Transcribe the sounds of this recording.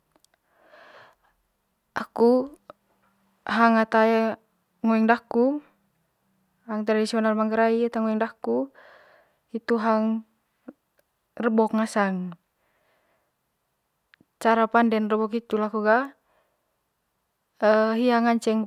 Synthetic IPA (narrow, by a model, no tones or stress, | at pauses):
ʔaku | ɦaŋat̪aɛ | ŋɔɛŋdaku | ɦaŋt̪ɾadisiɔnalmaŋɡəɾaiat̪aŋɔɛŋdaku | it̪uɦaŋ | rəbɔkŋasaŋ | t͡ʃaɾapandɛnrəbɔkit̪ulakuɡa | əɦiaŋaɲt͡ʃɛŋ